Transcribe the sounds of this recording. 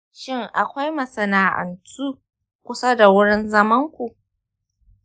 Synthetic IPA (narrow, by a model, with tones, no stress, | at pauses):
ʃɪ˦ŋʔa˨kʷa˦jmɐ˨sɐ˨naː˨ʔɐ̰˨ntuː˦ | kʷʊ˦sa˦da˨wʊ˦ɽɪ˦nzɐ˦mɐ˦ŋkʷu˨ʔ